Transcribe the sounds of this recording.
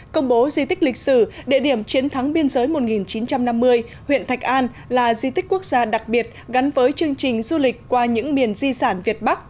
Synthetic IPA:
kə˧wŋ͡mɓo˨˦zi˧t̪ï˦˥k̟̚lï˨˩k̟̚sɨ˧˩ɗḭ˧˨ɗi˧˩əmt͡ɕi˨˦ənt̪ʰa˨˦ŋɓi˧ənzəː˨˦jmo˨˩t̚ŋi˨˩nt͡ɕi˨˦nt͡ɕa˧mna˧mːɨ˧əj | hwḭ˧˨ənt̪ʰa˨˩k̟̚ʔaː˧n | laː˨˩zi˧t̪i˦˥k̟ku˦˥ək̚zaː˧ɗa˨˩k̚ɓi˨˩ət̚ɣa˨˦nvəː˨˦jt͡ɕɨ˧əŋt͡ɕï˨˩ŋ̟zu˧lï˨˩k̟̚kwaː˧ɲɨ̰˧˥ŋmi˨˩ənzi˧saː˧˩nvi˨˩ət̚ɓa˦˥k̚

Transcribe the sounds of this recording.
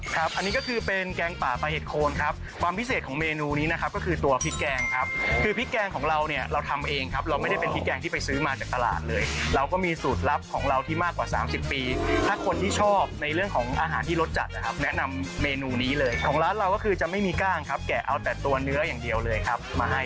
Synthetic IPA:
kʰɾa˦˥p̚ʔa˧nːiː˦˥kɔ˥˩kʰɯː˧pe˧nkɛː˧ŋpaː˨˩pa˧ɦeː˨˩t̪̚kʰoː˧nkʰa˦˥p̚ | kʰwaː˧mpʰi˦˥seː˨˩kʰɔː˩˦ŋmeː˧nuː˧niː˦˥na˦˥kʰa˦˥p̚kɔ˥˩kʰɯː˧t̪u˧ɐpʰi˦˥t̪̚kɛː˧ŋkʰa˦˥p̚kʰɯː˧pʰi˦˥t̪̚kɛː˧ŋkʰɔː˩˦ŋɾa˧wni˥˩ɐɾa˧wt̪ʰa˧mʔeː˧ŋkʰa˦˥p̚ɾa˧wma˥˩jda˥˩pe˧npʰi˦˥t̪̚kɛː˧ŋt̪ʰiː˥˩pa˧jsɯː˦˥maː˧t͡ɕaː˨˩k̚t̪a˧la̰ː˨˩t̪̚lɤː˧jɾa˧wkɔː˥˩miː˧suː˨˩t̪̚la˦˥p̚kʰɔː˩˦ŋɾa˧wt̪ʰiː˥˩maː˥˩kwaː˨˩saː˩˦msi˨˩pːiː˧t̪ʰaː˥˩kʰo˧nt̪ʰiː˥˩t͡ɕʰɔː˥˩p̚na˧jɾɯ˥˩əŋkʰɔː˩˦ŋʔaː˧ɦaː˩˦nt̪ʰiː˥˩lo˦˥t̪̚t͡ɕa̰˨˩t̪̚ʔa˦˥kʰa˦˥p̚nɛ˦˥ʔna˧mːeː˧nuː˧niː˦˥lɤː˧jkʰɔː˩˦ŋɾaː˦˥t̪̚ɾa˧wkɔː˥˩kʰɯː˧t͡ɕa˨˩ma˥˩jmiː˧kaː˥˩ŋkʰa˦˥p̚kɛː˨˩ʔa˧wt̪ɛː˨˩t̪u˧ɐnɯ˦˥ɐjaː˨˩ŋdi˧əwlɤː˧jkʰa˦˥p̚maː˧ɦa˥˩j

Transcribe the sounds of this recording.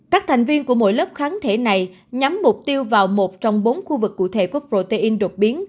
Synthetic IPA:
kaː˦˥k̚t̪ʰa˨˩jŋ̟vi˧ənku˧˩əmo̰˧˥˨jləː˦˥p̚xaː˨˦nt̪ʰe˧˩na˨˩j | ɲa˨˦mːʊ˨˩k͡p̚t̪i˧əwvaː˨˩wmo˨˩t̚t͡ɕɔ˧wŋ͡mɓo˨˦nxu˧vɨ˨˩kːṵ˧˩t̪ʰḛ˧˩kṵ˧˩əpɾo˧˩t̪i˧ʔi˧nɗo˨˩t̚ɓi˨˦ən

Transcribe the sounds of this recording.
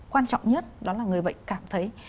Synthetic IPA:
kwaː˧nt͡ɕɔ̰˧˨wŋ͡mɲə˦˥t̚ɗɔ˨˦laː˨˩ŋɨ˨˩əjɓə̰˧˨jŋ̟kaː˧˩mt̪ʰə˨˦j

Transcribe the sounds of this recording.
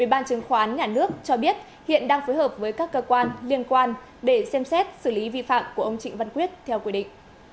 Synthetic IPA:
ʔwi˧˩ɓaː˧nt͡ɕɨ˨˦ŋxwaː˨˧ʔaː˨˦nɲaː˨˩nɨ˦˥ək̚t͡ɕɔ˧ɓi˦˥ət̚ | hḭ˧˨ənɗaː˧ŋfoː˨˦jhəː˨˩p̚vəː˨˦jkaː˦˥kːəː˧kwaː˧nli˧ənkwaː˧n | ɗe˧˩sɛ˧msɛ˦˥t̚sɨ˧˩li˨˦vḭ˧˨fa̰ː˧˨mku˧˩əʔə˧wŋ͡mt͡ɕḭ̈˧˨ŋ̟və˧nkwi˦˥ət̚t̪ʰɛ˧wkwi˧ɗḭ˧˨ŋ̟

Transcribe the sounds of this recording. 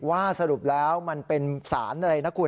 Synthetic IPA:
waː˥˩sa˧ɾu˨˩p̚lɛː˦˥wma˧npe˧nsaː˩˦nʔa˧ɾa˧jna˦˥kʰːuː˧

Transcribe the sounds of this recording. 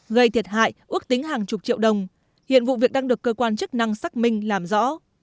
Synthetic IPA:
ɣə˧jt̪ʰi˨˩ət̚ha̰ː˧˨jʔɨ˦˥ək̚t̪ï˨˦ŋɦaː˨˩ŋt͡ɕʊ˨˩k͡p̚t͡ɕḭ˧˨əwɗə˨˩wŋ͡m | hḭ˧˨ənvṵ˧˨vi˨˩ək̚ɗaː˧ŋɗɨ˨˩əkːəː˧kwaː˧nt͡ɕɨ˦˥k̚na˧ŋsaː˦˥k̚mï˧ŋ̟laː˨˩mzɔ̰˧˥

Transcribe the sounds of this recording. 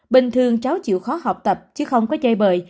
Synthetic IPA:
ɓï˨˩ŋ̟t̪ʰɨ˨˩əŋt͡ɕaː˨˦wt͡ɕḭ˧˨wxɔ˨˦ha˨˩wk͡p̚t̪ə˨˩p̚t͡ɕɨ˨˦xə˧wŋ͡mkɔ˨˦t͡ɕə˧jɓəː˨˩j

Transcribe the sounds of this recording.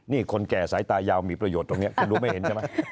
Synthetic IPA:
niː˥˩kʰo˧nkɛː˨˩saː˩˦jt̪aː˧jaː˧wmiː˧˩pɾa˧joː˨˩t̪ːo˧ŋni˦˥ɐkʰu˧ɾu˦˥ma˥˩he˩˦nt͡ɕʰːma˦˥j

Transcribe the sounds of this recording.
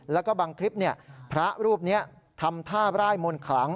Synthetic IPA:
lɛː˦˥wkɔː˥˩baː˧ŋkʰɾi˦˥p̚ni˥˩ɐpʰɾa˦˥ɾuː˥˩p̚ni˦˥ɐ | t̪ʰa˧mt̪ʰaː˥˩ɾaː˥˩jmo˧nkʰlaː˩˦ŋ

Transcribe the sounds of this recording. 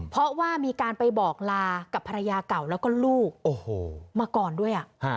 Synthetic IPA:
pʰɾɔ˦˥waː˥˩miː˧kaː˧npa˧jbɔː˨˩k̚laː˧ka˨˩pʰːa˧ɾa˧jaː˧ka˨˩wlɛː˦˥wkɔː˥˩luː˥˩ʔoː˨˩hoː˧˩maː˧kɔː˨˩ndu˥˩əjʔa˨˩ʔha˦˧˩

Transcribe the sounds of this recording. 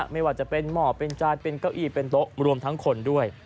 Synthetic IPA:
ma˥˩jwaː˨˩t͡ɕa˨˩pe˧nmɔː˨˩pe˧nt͡ɕaː˧n̚pe˧nka˧˥˩wʔiː˧˩pe˧nt̪o˦˥ʔɾu˧əmt̪ʰa˦˥ŋkʰo˧ndu˥˩əj

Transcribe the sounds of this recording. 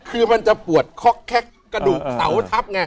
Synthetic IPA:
kʰɯː˧ma˧nt͡ɕa˨˩pu˨˩ət̪̚kʰɔ˦˥kʰːɛ˦˥˩k̚ | kːɾa˧duː˨˩k̚sa̰˩˦wt̪ʰa˦˥p̚ŋa˧

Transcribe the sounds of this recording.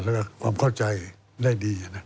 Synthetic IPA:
laː˦˧˩ka˧˩kʰwaː˧mkʰa˥˩wt͡ɕa˧j | da˥˩jdiː˧a˧na˧˥˩

